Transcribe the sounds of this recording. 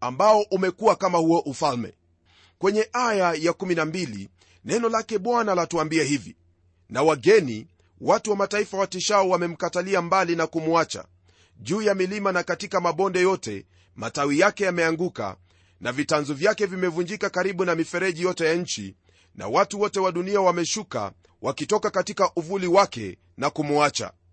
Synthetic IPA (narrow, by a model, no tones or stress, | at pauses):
ambaɔʔumɛkuakamahuɔʔufalmɛ̰ | kwɛɲɛʔajajakuminambilḭ | nɛnɔlakɛɓwanalatuambiɛhivḭ | nawaɡɛni | watuwamataifawatiʃaɔwamɛm̩kataliambalinakumuat͡ʃa̰ | ʄuːjamilimanakatikamaɓɔndɛjɔtɛ̰ | matawijakɛjamɛaŋɡuka̰ | navitanzɔvjakɛvimɛvund͡ʒikakaɾiɓunamifɛɾɛʄijɔtɛjaɲ̩t͡ʃḭ | na̰watuwɔtɛwaɗuniawamɛʃuka̰ | wakitɔkakatikaʔuvuliwakɛ̰ | nakumuat͡ʃa̰